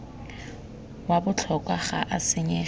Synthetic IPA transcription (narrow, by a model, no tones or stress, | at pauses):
wabʊt͡ɬʰɔkʼwaχaʔasɪɲɛ